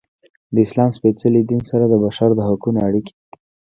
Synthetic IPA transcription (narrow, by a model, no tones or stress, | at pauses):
d̪əɪslɑmspet͡salid̪insaɾad̪əbaʃaɾd̪əɦʊkunoaɽiki̥